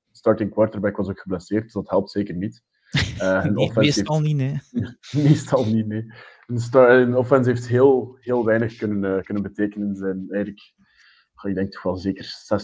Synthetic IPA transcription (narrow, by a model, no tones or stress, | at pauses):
stɑːɹtɪŋkwɑrtərbɛkʋɑzoːkxəblɛseːrt̚d̥əzdɑtɦɛlˠp̚tseːkərnit | əənɔfɛselninemestɑlˠnitneː | ənstɑənɔfɛnsɦeːftɦeːlˠɦeːlˠʋɛjnəxkɵnənəːkɵnənbəteːkənənzɛnɛjədələk | jaːɪɡdɛŋk̚tɔ̥xʋɛlˠzeːkərsɛs